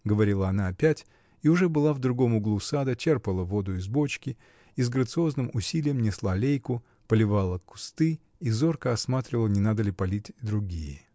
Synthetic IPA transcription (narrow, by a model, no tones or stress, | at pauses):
ɡəvɐɾʲilˠəɐnaɐpʲætʲ | iʊʐɛbɨlˠavd̪ɾʊɡo̞mʊɡlˠusad̪ət͡ɕerpəlˠəvo̞d̪ʊɪzbo̞t͡ɕkʲɪ | izɡɾət̪sɨo̞znɨmʊsʲilʲɪjəmnʲɪslˠalʲejkʊ | pəlʲɪvalˠəkʊ̥st̪ɨ | izo̞rkəɐsmat̪ɾʲɪvəlˠənʲɪnad̪əlʲɪpɐlʲitʲd̪ɾʊɡʲijə